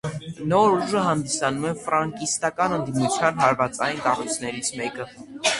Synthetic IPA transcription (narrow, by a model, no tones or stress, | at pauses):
nɔɾuʒəɦɑnd̪isɑnumɛnfɾɑŋkist̪ɑkɑnənd̪imut͡sʰjɑnɦɑɾvɑt͡sɑjnkɑrujt͡sʰnɛɾit͡sʰmɛkə